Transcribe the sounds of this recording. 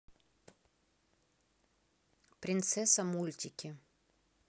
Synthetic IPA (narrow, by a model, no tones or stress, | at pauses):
pɾʲɪnt̪sɛsɐmulʲt̪ʲɪkʲɪ